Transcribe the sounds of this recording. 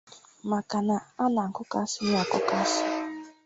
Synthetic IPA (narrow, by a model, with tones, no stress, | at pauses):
ma˨ka˨na˨a˦na˨ŋ̩˨kʊ˦ka˦si˦n˦a˨kʊ˦ka˦sɪ̥˦